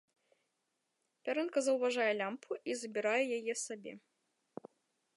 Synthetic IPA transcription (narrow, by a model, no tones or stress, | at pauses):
pʲaɾɛnkɐzɐwvaʐajɛlʲampʰuʔizɐbʲiɾajɛjajɛsabʲɛ̰